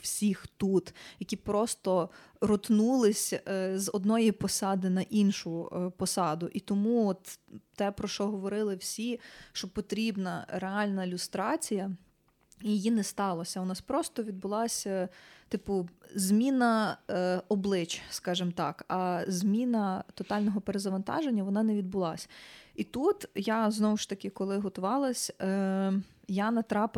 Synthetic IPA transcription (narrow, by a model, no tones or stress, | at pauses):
wsʲixt̪ut̪jɐkʲipɾɔst̪ɔ | ɾɔt̪nulˠɪsʲzɔd̪nɔjipɔsɑd̪ɪnɐʔinʃʊpɔsɑd̪ʊʔit̪ɔmuɔt̪t̪ɛpɾɔʃt͡ʃɔɦɔʋɔɾɪlˠɪwsʲiʃt͡ʃɔpɔt̪ɾʲibnɐɾeɑlʲnɐilʲʊst̪ɾɑt͡sʲijɐ | jijinɛst̪ɑlˠɐsʲɐʊnɑspɾɔst̪ɔʋʲid̪̚bʊlˠɑsʲɐt̪ɪpʊzʲmʲinɐ | ɔblˠɪt͡ʃskɑʒɪmt̪ɑkɐzmʲinɐt̪ɔt̪ɑlʲnɔɦɔpeɾezɐʋɐnt̪ɑ̰ʒenʲːɐʋɔnɑnɛʋʲid̪̚bʊlˠɑ̰sʲɐit̪ut̪jaznɔwʊʃt̪ɐkɪkɔlˠɪɦɔt̪ʊʋɑlˠɐsʲ | janɐt̪ɾɑp